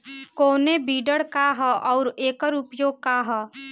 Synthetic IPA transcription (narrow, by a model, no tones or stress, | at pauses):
koːnebiːɖəɽkaɦʔɔːɾeːkəɾʊpjoːɡ̚kaɦə